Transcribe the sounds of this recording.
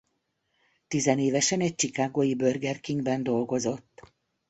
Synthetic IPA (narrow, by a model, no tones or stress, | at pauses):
t̪izɛneːvɛʃɛnɛc̚t͡ʃikaːɡoːjibø̞rɡɛrkiŋɡbɛnd̪o̞lɡo̞zo̞t̪ː